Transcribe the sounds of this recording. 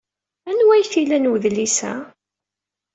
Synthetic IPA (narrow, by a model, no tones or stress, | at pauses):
ænwæjθilænwəðlisæ̰